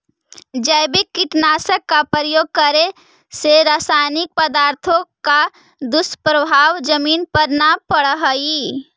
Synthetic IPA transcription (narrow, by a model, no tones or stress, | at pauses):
d͡ʒəjbikːiʈnasəkːapɾəjoːɡ̚kəɾe | seɾaːsajnɪk̚pəd̪aːɾt̪ʰõka | d̪ʊspɾəbʱaːʋd͡ʒəmiːnpəɾnapəɽɦəi